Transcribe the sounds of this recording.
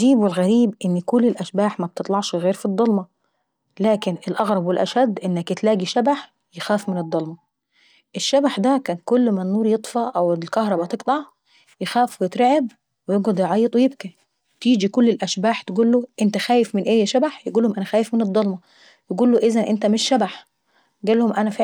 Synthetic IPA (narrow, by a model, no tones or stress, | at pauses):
iːbwelɣæɾiːbʔɪnːkolːelʔæʃbaːħmæb̥̚t̪et̪ˤlɑʕʃɣeːɾfid̪ˤːɑlmɑ | læːkenelʔɑɣɾˤɑbwelʔæ̰ʃæd̪ːʔenːækjet̪læːɡiʃæbaħ | jexæːfmɪned̪ˤːɑlmɑ | ʔeʃːæbaħd̪ækæːnkolːmænːuːɾjet̪ˤfɑʔæwlkɑhɾˤɑbɑt̪eɡt̪ˤɑʕ | jexæːfwejet̪ɾeʕeb | wejeːɡæd̪jʕɑjːet̪ˤwejeb̚kæ | t̪iːd͡ʒikolːelʔæʃbaːħt̪eɡuːlːoʔent̪æxæːjefmɪnʔeːjːʃæbaħjeɡuːlːhomʔænæxæːjefmɪned̪ˤːɑlmɑ | jeɡuːlːoʔezænʔent̪æmeʃːæbaħ | ɡæːlːhomʔænæfe